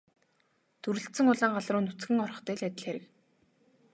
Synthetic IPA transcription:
t̪ʰuɾɘ̆ɬt̪sɘ̆ŋʊɮaːɴɢaɮrʊːnut͡sɡɘ̆ŋɔrɞ̆χt̪æːɮæt̪ʲɪ̆ɮxeɾɘ̆k

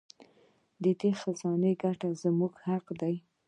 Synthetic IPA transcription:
d̪əd̪exazɑneɡaʈazmuɡhaqd̪aj

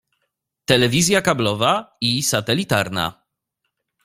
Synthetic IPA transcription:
t̪ɛlɛvʲizʲjakablɔvaisat̪ɛlʲit̪aɾna̰

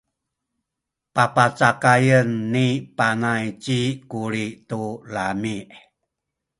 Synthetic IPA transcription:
papat͡sakajənːipanajt͡ɕikuɾitulamiʔ

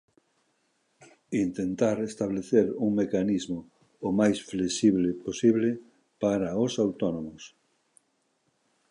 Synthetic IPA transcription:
int̪ent̪aɾest̪aβleθeɾuŋmekanizmoː | majsfleʃiβleposiβle | paɾaosawt̪onomʊs

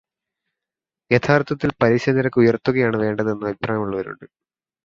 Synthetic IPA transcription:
jet̪ʰaːrt̪ʰɐt̪ːilpɐɾiɕɐniɾɐkːɨujɐrt̪ːuɣɐjaːɳɨʋe̞ːɳɖɐðe̞nːɨɐbʱipraːjɐmuɭːɐʋɐɾṵɳɖɨ

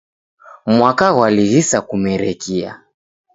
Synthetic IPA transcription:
mwakaɣwaliɣisakumɛɾɛkia̰

